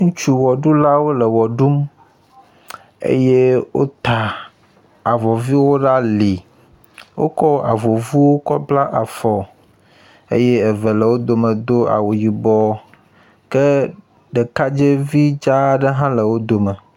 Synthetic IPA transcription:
ŋũ˦t͡ʃu˦wɔ˨ɖu˦la˦wo˦lə˨wɔ˨ɖu˦m | ḛ˦je˦wo̰˦t̪a˨ | a˨vɔ˨vi˦wo˦ɖa˦li˨ | wo̰˦kɔ˦a˨vo˨vu˦wo˦kɔ˦bla˦ʔa˨fɔ˨ | ḛ˦jɛ˦ɛ˨vɛ˨lɛ˨wo˦d̪o˨mə̃˨d̪o˦a̰˨wo˨ji˨bɔ˨ | kɛ˦ | ɖɛ˨ka˦d͡ʒe˦vi˦d͡ʒa˦ɖə˦ɦã˦lə˨wo˦d̪o˨mɛ˨

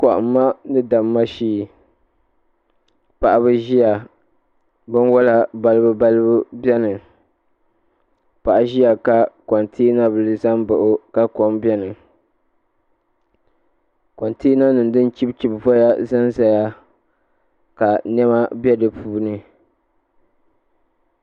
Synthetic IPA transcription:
kɔ˨ʔʊ̰˨mː˦a˦nɨ˦da˨mːa˦ʃiː˦˨ | pa˨ʔa˨bɨ˦ʒi˦ja˨ | bɨ˦n˦wɔ˦la˦ba˦lɨ˦bɨ˦ba˦lɨ˦bɨ˦bɛ˦nɨ˨ | pa˨ʔa˨ʒi˦ja˨ka˨kɔ˨ntʰiː˦na˦bɨ˨lɨ˨˦za˦mbɨ˨ʔo˦ka˦kɔ˨mbjɛ˦nɨ˨ | kɔ˨ntiː˦na˦nɨ˨ndɨ˦nt͡ʃi˦bt͡ʃi˨bvɔ˦ja˦za˦nza˦ja˦ | ka˨nɛ˦ma˦bɛ˦dɨ˨puː˦nɨ˦

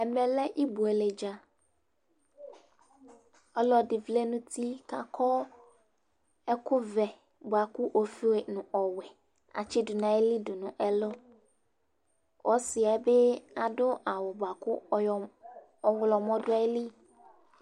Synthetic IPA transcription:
ɛ˨mɛ̃˨lɛ˦ʔi˦bu˨e˨le˨d͡ʒa˨ | ɔ˦lɔ˨dɪ˨vle˦nʊ̃˦t̪ʰi˦ka˨kʰɔ˦ | ɛ˦kʊ˦vɛ˨ | bʊ˨a˨kʊ˦ʔo˨fi˦we˨nʊ̃˨ʔɔ˨wɛ˨ | a̰˨t͡ʃɪ˦dʊ˨nã˨e˦li˦dʊ˨nʊ̃˨ʔɛ˦lʊ˦ | wʔɔ˦sɪ˨a˨˦be˦a˨dʊ˦ʔa˨wʊ˨bʊ˨a˨kʊ˦˨ | ɔ˨wʊ˨lɔ˨mɔ̃˦dʊ˦a˦e˦li˦

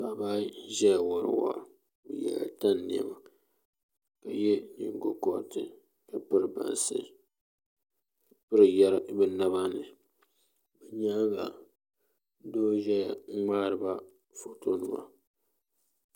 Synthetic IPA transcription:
ba˨ba˦ʒɛ˦jwo˨ɾɨ̰˨wa̰˨ | bɨ̰˨jɛ̰˨la̰˨ta˦nː˨i˨ɛ̰˨ma˨ | ka˨jɛ˦nɨ̰˨ŋ˦ɡo˦kɔ˦˨tɨ˨ | ka˨pɨ˦ɾɨ˨ba̰˨n˨sɨ̰˦ | pɨ˦ɾɨ˨jɛ˦ɾbɛ˦na˦βa˦nɨ˨ | bɛ˨ɲa˦ɡa˨˦ | doː˦ʒɛ˦ja˨˦ŋ͡maː˦ɾɨ˦ba˦ | fo˨to˦nɨ˦ma̰˨

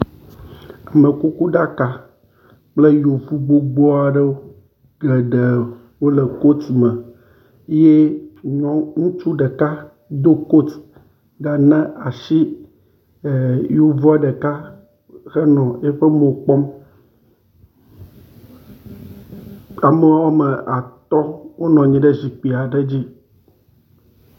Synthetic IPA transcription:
a˨me˨ku˦ku˦ɖa˦ka˨ | k͡ple˦jo˨fu˦ɡ͡bo˦ɡ͡bɔ˦a˨ɖe˦wo˦ | ɡle˨ɖe˨ | wo˦le˨ko˦t̪mɛ˨˦ | je˦ɲɔ̃˦ŋũ˦t͡ʃu˦ɖe˨ka˦ | d̪o˦ko˦t̪ | ɡa˨nɛ̃˦a˨ʃi˦˨ | jo˦va˦ɖe˨ka˦ | xe˦nɔ̃˨je˦ɸe˦mõ˨k͡pɔ˦m | a˨me˨wɔ˦me˨ʔa˨t̪ɔ˦wo˦nɔ̃˨ɲĩ˨ɖe˦zi˨k͡pi˨a˨ɖe˦d͡ʑi˦

